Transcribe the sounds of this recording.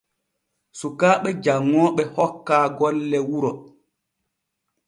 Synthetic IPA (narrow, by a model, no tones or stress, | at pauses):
sukaːɓɛd͡ʒaŋːɔːɓɛhɔkːaːɡɔlːɛwuɾɔ